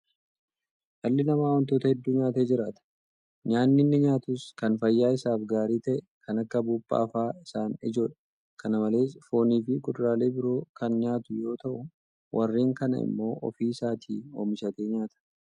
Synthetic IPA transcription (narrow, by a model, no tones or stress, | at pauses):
hɐlːɪnɐmaːwɐnt̪o̞ːt̪ɐhɛd̪ːuːɲaːt̪eːd͡ʒɪɾaːt̪ɐ̥ | ɲaːnːɪnːɪɲaːt̪ʊskɐnfɐjːaːɪsaːfɡaːɾiːt̪ɐʔɛ | kʰɐnɐkːɐbuːbːɐ̰ːfaːɪsaːnɪd͡ʒo̞ːᶑɐ̥ | kʰɐnɐmɐle̞ːsfo̞ːniːfɪkʼʊᶑ̪ɾaːle̞ːbɪɾo̞ːkʰɐnɲaːt̪ʊjo̞ːt̪ɐʔʊ | wʔɐrːiːŋkɐnɐ̰ɪ̰mːo̞ːʔɔ̰fiːsaːt̪ʰḭːo̰ːmɪʃɐt̪e̞ːɲaːt̪ɐ̥